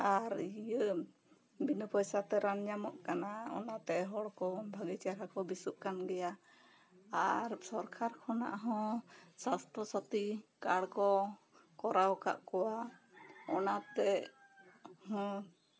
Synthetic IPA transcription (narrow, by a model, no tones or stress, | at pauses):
aɾijə | binəpɔjsat̪ɛɾanɲamɔʔkanaɔ̰nat̪ɛɦɔɽkɔbʱaɡit͡ʃaɾakɔbisuʔ̚kanɡɛja | aɾsɔɾkʰaɾkʰɔna̰ʔɦɔ̃sast̪ɾɔsat̪ikaɽkɔ | kɔɾawka̰ʔkɔwa | ɔnat̪ɛ | hɔ̃